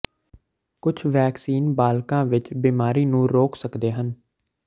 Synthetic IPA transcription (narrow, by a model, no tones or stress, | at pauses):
kʊt͡ʃʰʋɛːksiːnbaːlkãːʋɪt͡ʃbiːmaːɾiːnũːɾoːksəkd̪eːɦən